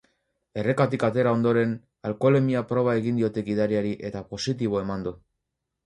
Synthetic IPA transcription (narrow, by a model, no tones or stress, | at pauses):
e̞re̞kat̪ikat̪e̞ɾao̞nd̪o̞ɾe̞n | alko̞le̞miapɾo̞β̞ae̞ɣind̪io̞t̪e̞ɡiðaɾiaɾiʔe̞t̪apo̞sit̪̬iβ̞o̞e̞mand̪u